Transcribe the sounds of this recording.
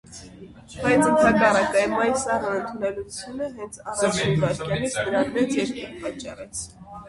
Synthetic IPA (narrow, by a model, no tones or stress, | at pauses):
b̥ɑjt͡sənt̪ʰɑkɑrɑkɑjəmɑjsɑrənənt̪ʰunɛlut͡sʰjunəɦɛnt͡sʰɑrɑt͡ʃʰinkɑɾkʰjɑnit͡sʰd̪əɾɑnmɛt͡sjɛɾkiɾpɑt͡ʃːɑ̰rɛt͡sʰ